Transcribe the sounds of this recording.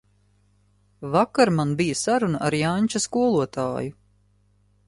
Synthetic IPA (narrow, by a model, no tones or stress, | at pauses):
vakaɾmanbijasaɾunaʔaɾjanʲt͡ʃaskuɔlˠuɔt̪a̰ːju